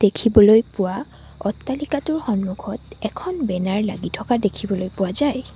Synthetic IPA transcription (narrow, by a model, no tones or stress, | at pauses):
d̥ekʰibɔlojpʊwa | ɔtːalikatʊɹxɔnmuɡʰʱɔtɛkʰɔnbɛnaɹlaɡitʰɔkadekʰibɔlojpʊwazaj